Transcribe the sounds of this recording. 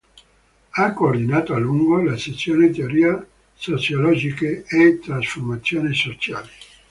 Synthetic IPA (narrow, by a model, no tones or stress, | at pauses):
akːoːrd̪inaːt̪oaluŋɡolaset̪sːjoːnet̪eoɾiːa | sot͡ʃjolɔd͡ʒikeet̪ːɾasformat̪sːjoːnesot͡ʃaːle